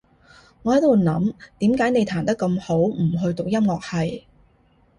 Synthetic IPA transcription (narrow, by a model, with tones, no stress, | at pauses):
ŋɔː˨˧hɐ˨˥jt̪o˨˧˩nɐ˨˥mt̪iː˨˥mkaː˨˥jne˨˧jt̪ʰaː˨˩nt̪ɐ˥kːɐ˧mho˨˥wm̩˨˩ɦɵ˧ɥt̪ʊ˨k̚jɐ˥mŋɔː˨k̚hɐ˨j